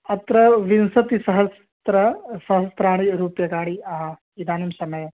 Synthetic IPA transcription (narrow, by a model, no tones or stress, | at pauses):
ɐt̪ɾɐʋinsɐt̪isɐɦɐs | t̪ɾɐsɐɦɐst̪ɾaːɽ̃iɾuːpjɐɡaːɽiɐɦɐ | id̪ʱaːnɐmsɐmɐjɐ